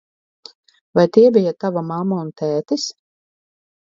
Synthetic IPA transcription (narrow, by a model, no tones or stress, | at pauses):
vajt̪iɛbijat̪avamamːaunt̪æːt̪is